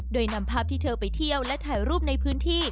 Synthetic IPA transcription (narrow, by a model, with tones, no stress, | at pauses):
doː˧jna˧mpʰaː˥˩p̚t̪ʰiː˥˩t̪ʰɤː˧pa˨jt̪ʰi˧˥˧əwlɛ˦˥t̪ʰaː˩˦jɾuː˥˩p̚na˧jpʰɯː˦˥nt̪ʰiː˥˩